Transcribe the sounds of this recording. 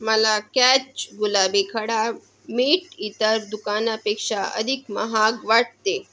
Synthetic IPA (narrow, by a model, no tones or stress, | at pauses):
mɐlakɛːt͡ʃɡulaːbikʰɐɽa | miːʈit̪əɾd̪ukaːnapeːkʃaə̰d̪ʱikmɐɦaːɡʋaʈ̚t̪eː